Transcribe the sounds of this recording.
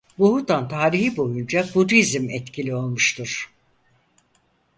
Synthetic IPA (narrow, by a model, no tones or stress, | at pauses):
buhut̪ant̪ʰaːɾihibo̞jund͡ʒabuɾizmɛt̪cʰilʲio̞lˠmuʃt̪ʰuɾ̥